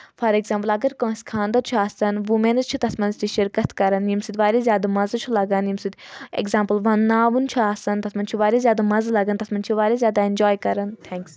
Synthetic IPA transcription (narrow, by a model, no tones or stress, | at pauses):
fɐɾeɡzãːmpəlɐɡɐɾkõːsʲkʰãːnd̪ɐɾt͡ʃʰuaːsɐnʋumenɐzt͡ʃʰit̪ɐsmɐnzt̪ʰiʃiɾkɐt̪kɐɾɐnjimsid̪ʋaːɾizʲjaːd̪amɐzt͡ʃʰulɐɡɐnjimsid̪ḛɡzãːmpɐlʋɐnːaːʋunt͡ʃʰuaːsɐnt̪ɐsmɐnt͡ʃʰiʋaːɾʲizjaːd̪amɐzlɐɡɐnt̪ɐsmɐnt͡ʃʰiʋaːɾʲizjaːd̪aind͡ʒɔːjkɐɾɐnt̪ʰɛ̃ːŋks